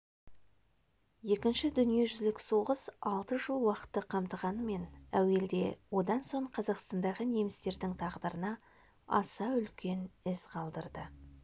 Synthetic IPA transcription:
je̞kʲɪnʃɪd̪ʏnije̞ʒʏzlɪkso̞ʁəsɑlˠt̪əʒəlˠwɑqə̥t̪ːəqʰɑmt̪əʁɑnəme̞næwe̞ld̪e̞wo̞d̪ɑnso̞ɴqʰɑzɑqst̪ɑnd̪ɑʁəne̞mɪst̪e̞ɾd̪ɪŋt̪ʰɑʁd̪əɾənɑ | ɑ̰sɑʏlkʲʰe̞nɪzqʰɑlˠd̪əɾd̪ə

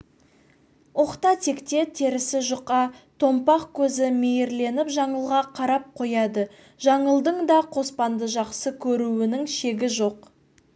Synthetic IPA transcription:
oqt̪ɑt̪ʰe̞kt̪e̞t̪ʰe̞ɾɪsɪʒʊqɑt̪ʰo̞mpɑqkʲʰɵzɪmejɪɾle̞nɪpʒɑɴəlˠʁɑqʰɑɾɑp̚qʰo̞jɑd̪ə | ʒɑɴəlˠd̪əɴd̪ɑqʰo̞spɑnd̪əʒɑqsəkʲʰɵɾuwɪnɪŋʃe̞ɡʲɪʒo̞q

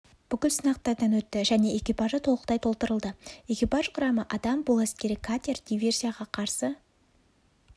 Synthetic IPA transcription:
b̥ʏkʲɪlsənɑq̚t̪ɑɾd̪ɑnwɵt̪ːɪʒæne̞ʔe̞kʲijpaʒət̪ʰo̞lˠəqt̪ɑjt̪ʰo̞lˠt̪əɾəlˠd̪əe̞kʲijpaʒqʰʊɾɑməʔɑd̪ɑmbolˠæskʲe̞ɾɪkʰat̪ʲerd̪ijvʲe̞rsʲijaʁɑqʰɑɾsə

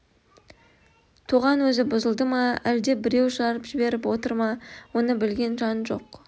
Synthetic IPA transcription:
t̪ʰoʁɑnwɵzɪbʊzəlˠd̪əmɑæld̪e̞bɪɾe̞wʃɑɾəpʒ̥ɪbe̞ɾɪpwo̞t̪əɾmɑwo̞nəbɪlɡʲe̞nʒɑnʒoq

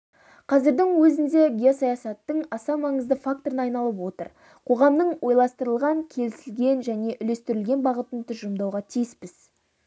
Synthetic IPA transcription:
qʰɑzɪɾd̪ɪŋwɵzɪnd̪e̞ɡʲijosɑjɑsɑt̪ːəɴɑsɑmɑɴəzd̪əfak̚t̪oɾənɑjnɑlˠəp̬wo̞t̪ə̰ɾ | qʰo̞ʁɑmnəɴwo̞jlˠɑst̪əɾəlˠʁɑŋkʲʰe̞lɪsɪlɡʲe̞nʒæne̞ʔʏle̞st̪ɪɾɪlɡʲe̞nbɑʁət̪ənt̪ʰʏzʒəmd̪ɑwʁɑt̪ʰijɪspɪz̥

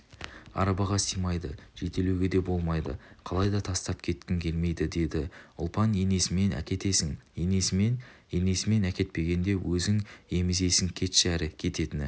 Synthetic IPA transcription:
ɑ̰ɾɑbɑʁɑsijmɑjd̪əʒ̥e̞t̪e̞lewɡʲe̞d̪e̞bo̞lˠmɑjd̪ə̰qʰɑlˠɑjd̪ɑt̪ʰɑst̪ɑp̚kʲʰe̞t̪kʲɪŋkʲʰe̞lme̞jd̪ɪd̪e̞d̪ɪʊ̰lˠpɑne̞ne̞sɪme̞næ̰kʲe̞t̪e̞sɪŋenesen | ene̞sɪme̞nækʲe̞t̪̚pe̞ɡʲe̞nd̪e̞wʔɵzɪŋe̞mɪze̞sɪŋkʲʰe̞t̪ʃæɾɪkʲʰe̞t̪e̞t̪ɪnɪ

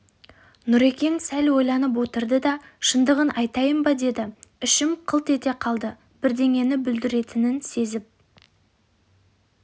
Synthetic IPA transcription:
nʊɾe̞kʲe̞ŋsælwo̞jlˠɑnəp̬wo̞t̪əɾd̪əd̪ɑʃənd̪əʁənʔɑjt̪ɑjəmbɑd̪e̞d̪ɪʏʃɪmqʰəlˠt̪e̞t̪e̞qʰɑlˠd̪ə | b̥ɪɾd̪e̞ŋe̞nɪbʏld̪ɪɾe̞t̪ɪnɪnse̞zɪp̚

